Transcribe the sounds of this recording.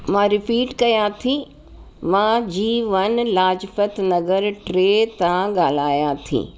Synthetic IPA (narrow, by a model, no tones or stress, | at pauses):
mãɾɪpiːʈkɐjat̪ʰĩ | mãːd͡ʑiːʋɐnlaːd͡ʒfət̪nɐɡəɾʈɾeːt̪ãɠaːl̤aːjat̪ʰḭː